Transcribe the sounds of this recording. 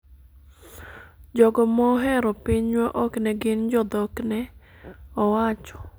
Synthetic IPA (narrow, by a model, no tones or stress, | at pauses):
d͡ʒɔɡɔmɔɦɛɾɔpiɲwaʔɔknɛɡɪnd͡ʒɔd̪ɔknɛ | ɔwat͡ʃɔ̥